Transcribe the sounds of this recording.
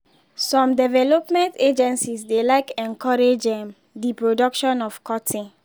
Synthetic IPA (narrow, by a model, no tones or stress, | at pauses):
sɔ̃mdɛvɛlɔpmɛ̃nted͡ʒɛ̃nsisdelaɪkɛ̃nkɔɹed͡ʒɛ̃m | dipɹodɔkʃɔ̃nɔfkʰɔtʰĩ